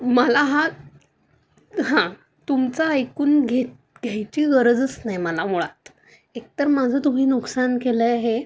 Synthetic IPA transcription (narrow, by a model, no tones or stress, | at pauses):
məlaɦa | ɦã | t̪umt͡saːjkuːnɡʱet̪̚ | ɡʱjajt͡ɕiːɣəɾd͡zət͡snajməlamuɭat̪ | ekt̪əɾmad͡zʱət̪um̤iːnuksankeləaɦe